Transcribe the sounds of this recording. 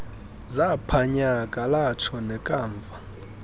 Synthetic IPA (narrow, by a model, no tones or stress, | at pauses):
zapʰaɲakʼalat͡ʃʰɔnɛkʼaːɱvʱa